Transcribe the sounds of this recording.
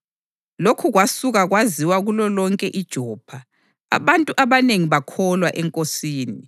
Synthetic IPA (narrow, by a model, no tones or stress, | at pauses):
lokʰuɣwasuɣaɣwaziwaɣulɔlɔŋkʼɛʔid̥ʒ̥ʱɔːpʰa | a̰βantʼuʔaβaneŋiβakʰɔlwaʔɛŋkʼosiːni